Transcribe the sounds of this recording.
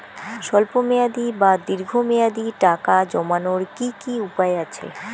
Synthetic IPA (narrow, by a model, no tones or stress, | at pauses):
ʃɔlpomejad̪ibad̪iɾɡʱomejad̪iʈakad͡ʑɔmanoɾkikiupaeat͡ɕʰḛ